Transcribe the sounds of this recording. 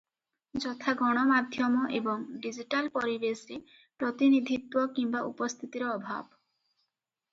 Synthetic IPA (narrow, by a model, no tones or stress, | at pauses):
d͡ʒɔt̪ʰaɡɔɽ̃ɔmad̪ʱjɔmɔʔebɔŋɖid͡ʒiʈalpɔɾibesɾe | pɾɔt̪inid̪ʱit̪wɔkimbaʔṵpɔst̪ʰit̪iɾɔɔbʱa̰bɔ